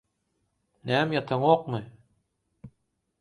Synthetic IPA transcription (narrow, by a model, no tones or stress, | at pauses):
næːmjɑt̪ʰɑŋoq̚mɯ